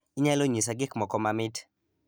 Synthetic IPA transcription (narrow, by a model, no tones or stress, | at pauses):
iɲaloɲisaɡɪkmɔkɔmamɪt